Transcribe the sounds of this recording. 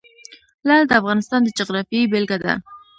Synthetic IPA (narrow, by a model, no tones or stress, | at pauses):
lald̪əafɣɑnɪst̪ɑnd̪əd͡ʒoɣɾɑfebelɡad̪a̰